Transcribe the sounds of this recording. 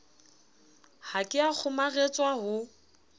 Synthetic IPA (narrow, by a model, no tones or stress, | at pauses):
hakʼɪak͡xʰʊmaɣet͡sʼwaɦʊ